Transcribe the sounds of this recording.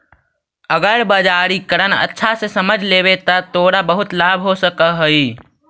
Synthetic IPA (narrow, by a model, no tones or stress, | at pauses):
əɡəɾbəd͡ʒaɾikəɾənə̰tːʃʰasẽsəməd͡ʒʱlebet̪ət̪oɽabəɦut̪labʱɦosəkəɦəi